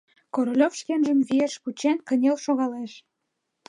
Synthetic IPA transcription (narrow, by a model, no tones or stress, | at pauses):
koɾolʲofʃkenʒəmzijeʃput͡ɕenkə̆nʲelʃoɣɑleʃ